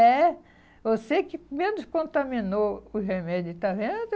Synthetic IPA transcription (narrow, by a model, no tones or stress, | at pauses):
ɛ | vosekɪmẽnʊskõnt̪amĩnoʊɦemɛd͡ʒʊt̪avẽd̪ʊ